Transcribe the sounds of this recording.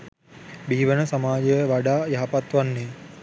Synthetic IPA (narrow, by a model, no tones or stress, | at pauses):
biːʋənəsɐmaːd͡ʒejəʋaɖaːjaɦapat̪ʋanːe